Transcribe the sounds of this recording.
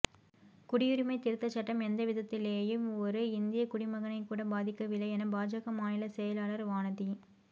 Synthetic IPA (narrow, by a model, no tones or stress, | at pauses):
kʊɽɪjʊɾɪmɐɪt̪ɪɾɯt̪ːɐt͡ʃːɐʈːɐmɛnd̪ɐʋɪðɐt̪ːɪleːjɯmɔɾɯɪnd̪ɪjɐkʊɽɪmɐɣɐnɐɪkːuːɽɐbaːðɪkːɐʋɪlːɐɛnɐbaːd͡ʒaːɣɐmaːnɪlɐsɛjɐlaːlɐɾʋaːnɐði